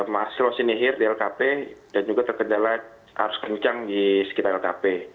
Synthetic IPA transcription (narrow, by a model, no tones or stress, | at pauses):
masɪlosiniɦɪrdiɛlkapedand͡ʒuɡat̪ərkəndala | ha̰ɾʊskəɲt͡ʃaŋdisə̥kit̪aɾɛlkape